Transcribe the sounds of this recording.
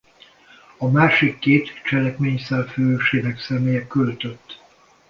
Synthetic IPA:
ɒmaːʃikːeːt̪t͡ʃɛlɛkmeːɲsɛlføʃeːnɛksɛmeːjɛkølt̪øt̪ː

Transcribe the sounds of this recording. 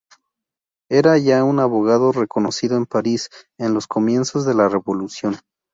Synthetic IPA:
e̞ɾaʝaunaβo̞ɣaðo̞re̞ko̞no̞siðoe̞mpaɾise̞nlo̞sko̞mje̞nso̞zðe̞lare̞βo̞lusjo̞n

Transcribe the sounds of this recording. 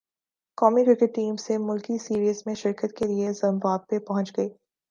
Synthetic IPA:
kɔːmikɾɪkəʈːiːmsemʊlkisiːɾiːzmẽʃɪɾkət̪̚keliezɐ̃mbaːb̚ːepɐɦʊ̃nt͡ʃɡɐiː

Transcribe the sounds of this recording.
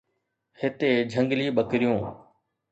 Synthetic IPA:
hɪt̪eːd͡ʒʱə̃ŋɡliːɓəkɾɪjõː

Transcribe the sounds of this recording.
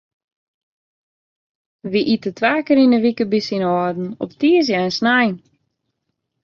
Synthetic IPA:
ʋiʔitətʰʋaːkəɾinəʋikəbisinɔːdn̩ɔptiəs̬jaənsnajn

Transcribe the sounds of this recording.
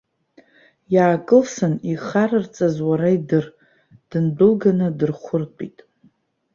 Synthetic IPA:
jaːkʼɨlsɨniχaɾɨrt͡sʼazwaɾaidɨr | d̥ɨnbɨlɡanɨdɨrχʷʊrtʼḭtʼ

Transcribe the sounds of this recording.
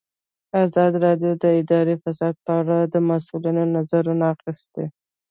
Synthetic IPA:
azɑd̪iɾɑɖijod̪əɪd̪ɑɾefasɑd̪̚pəaɽad̪əmasulinonazaɾunaːxɪst̪e

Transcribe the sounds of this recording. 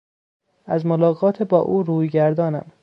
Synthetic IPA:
æzmolɒːɣɒːt̪ʰebɒːʔuːɾuːjɟæɾd̪ɒːnæ̰m

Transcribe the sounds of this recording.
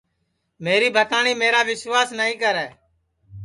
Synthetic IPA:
meːɾiːbʱət̪aːniːmeːɾaːʋɪswaːsnəːĩːkəɾɛː

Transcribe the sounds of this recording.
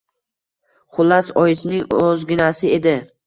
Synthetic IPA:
χʊlˠːasɒjɪt͡ʃ̪nɪŋozɡʲɪnasɪe̞d̪ɪ

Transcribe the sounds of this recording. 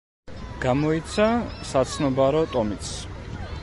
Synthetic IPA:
ɡ̥amɔit̪sʰasat̪sʰnɔbaɾɔt̪ʼɔmit̪s

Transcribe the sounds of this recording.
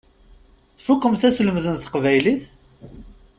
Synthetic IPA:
θfukːəmθæsləmðənθə̥qvæjliθ

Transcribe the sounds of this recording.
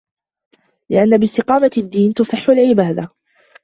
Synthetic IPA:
lɪʔanːabɪst̪ɪqɑːmad̪ːiːnt̪ɑsˤɨħːʊlʕɪbaːd̪a

